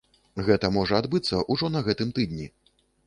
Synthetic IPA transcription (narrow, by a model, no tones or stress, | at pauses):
ɣɛt̪ɐmɔʐɐad̪bɨt̪sːɐʔuʐɔnɐɣɛt̪ɨmt̪ɨd̪nʲi